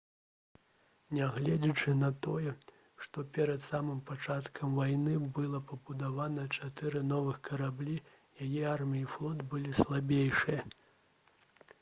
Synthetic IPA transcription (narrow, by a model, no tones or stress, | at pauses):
nʲaɣlʲɛd͡zʲit͡ʂɨnɐt̪ɔjɛ | ʂt̪ɔpʲɛɾɐt̪samɨmpat͡ʂat̪kʰɐmvajnɨbɨlˠɐpɐbud̪avanɐt͡ʂat̪ɨɾɨnɔvɨxkɐɾablʲi | jajɛarmʲijiflˠɔt̪bɨlʲislˠabʲejʂɨjɐ